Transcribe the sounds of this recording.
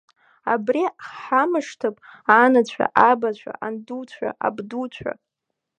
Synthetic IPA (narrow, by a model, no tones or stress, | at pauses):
a̰briħamɨʂtʰɨpʼanat͡ɕʷʰa̰ʔabat͡ɕʷʰa̰ʔandut͡ɕʷʰa̰ʔa̰bdut͡ɕʷʰa̰